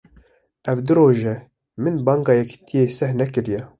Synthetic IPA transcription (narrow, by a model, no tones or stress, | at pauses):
ʔɛvd̪ɨɾoːʒɛ | mɨnbɑːŋɡɑːjɛki̥t̪ʰijeːsɛhnɛkɨɾijɛ